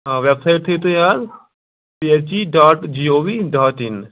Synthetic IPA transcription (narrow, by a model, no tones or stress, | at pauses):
ɦaʋebsaɪʈ̚t̪ʰet̪ojaːl | piet͡ʃiɖaːʈd͡ʒioːʋiɖaːʈin